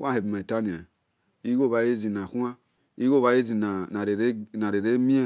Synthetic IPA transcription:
wã˦˨he˨bma˨i˨ta˦ni˨a˨ | i˦ɡo˦˨βa˨˦je˦zi˨na˨kʷu˦a˦ | i˦ɡo˦˨βa˦je˦zi˨na˨na˨ɾe˨ɾe˦na˨ɾe˨ɾe˦mi˦e˦

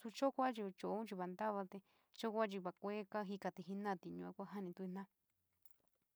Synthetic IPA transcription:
su˧t͡ʃo˦kʷa˦t͡ʃi˧t͡ʃo˧ʔũ˦t͡ʃi˧βa˧nd̪a˦βa˧t̪e˧ | t͡ʃo˦˧kʷa˦t͡ʃi˧βa˧kʷe˦ka˦ɦi˦ka˧t̪i˧ɦi˧nã˦˨t̪i˧ɲũ˧a˦kʷa˦ɦa˦nĩ˧t̪u˧i˧n̥ã˦

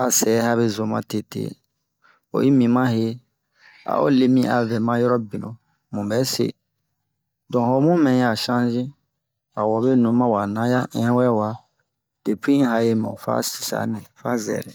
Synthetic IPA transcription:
a˨sɛ˨˦ha˦βe˦zo˨mã̰˦te˨tḛː˨ | o̰˨i˦mĩ˨mã˦ɦe˦ | a̰˨o̰˦le˦mĩ˦ʔa˨vɛ˨mã˦jɔ˦ɾɔ˦bĩ˨nõ˨ | mũ˨bɛ˨˦sḛ˦˨ | dɔ̃˨ho˨mũ˦mɛ̃˨ja˨ʃã˦zĩ˦ | a˨wɔ˨be˦nũ˨˦mã˦wa˨nã˦ja˦ʔɛ̃˨˦wɛ˦wa˨ | d̥e˨pʰĩ˦ɦa˧je˦mɛ̰̃˨fa̰˦si̥˨sa̰˨nɛ̃˨fa˦zɛ̰˨lɛ̰˨

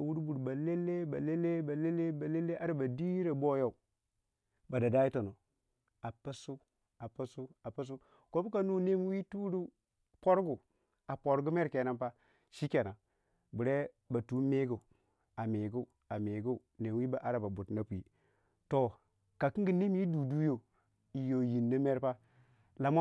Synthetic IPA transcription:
wu˦ɾbu˨ɾba˨le˦lːe˦ba˨le˦le˦ba˨le˦le˦ba˨le˦le˦ʔa˦ɾa˨ba˨di˦ɾe˨bo˦ja˦u˨ | ba˨da˨da˦ji˦to˨no˨ | a˨pə˦su˦ | a˨pa˦su˦a˨pə˦s̬u˦ | ko˦bu˦ka˨nu˦ne˦m˦wi˦tu˦ɾu˦ | po˦ɾɡu˨ | a˨po˨ɾɡu˦me˦ɾke˨na˦mpa˦ | ʃi˦ke˨na˨ | bu˨ɾe˦ | ba˨tu˨˦me˦ɡu˨ | a˨me˨ɡu˦˨ | a˨me˨ɡu˦u˨ne˨mwi˦ba˨ʔa˦ɾa˨ba˨bu˨tna˦pu˨i˨ | to˨ | ka˨ki˦ŋɡi˦ne˦m˦i˦du˨du˦jo˨ | i˨jo˨ji˨nːa˦me˦ɾpa˦ | la˨ma˦

